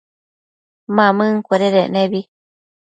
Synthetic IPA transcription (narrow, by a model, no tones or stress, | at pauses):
mãmɨ̃ŋ̩kʷeɾeɾeʔnẽβi